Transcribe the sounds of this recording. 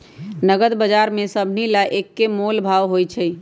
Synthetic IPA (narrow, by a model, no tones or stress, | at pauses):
nəɡəd̪bəd͡ʒaɾmesəbʱnilaʔekːemolbʱaʋɦojt͡ʃʰəj